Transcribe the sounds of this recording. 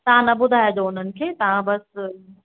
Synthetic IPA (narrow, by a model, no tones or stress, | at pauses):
t̪ɐʋ̤ãnɐbʊd̪ʱaːed̪oʊn̤ənɪ̆kʰeːt̪ɐʋ̤ãbɐs